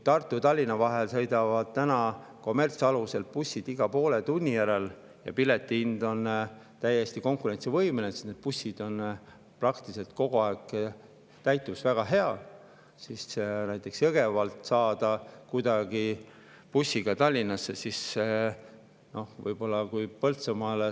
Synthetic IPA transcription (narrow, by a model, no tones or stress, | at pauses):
t̪ɑrt̪ːˑut̪ɑlʲːinɑvɑɦelsɤ̞jd̪ɑvɑd̪̥̚t̪ænɑ | ko̞me̞rt̪sɑluse̞lpusʲːid̪̥iɡ̥ɑpo̞ːle̞t̪unʲːijæɾe̞l | jɑ̰pile̞t̪ːˑiind̪̥o̞n | t̪æjːe̞st̪iko̞ŋkuɾe̞nʲt̪sivɤjmenese̥t̪ned̪̥̚pusːid̪̥o̞n | prɑkt̪ise̞lt̪̚ko̞ɡ̥oɑeɡ̥ | t̪æjt̪ːˑusvæɡ̥ɑɦe̞ɑ | sisnæjt̪ːˑe̞ksjɤɡ̥e̞vɑlt̪ˑsɑːd̪̥ɑkujd̪̥ɑɡi | pusːiɡ̥ɑt̪ɑlʲːinːɑsːe̞sis | no̞hvɤjb̥o̞lːɑkujpɤlt̪semɑl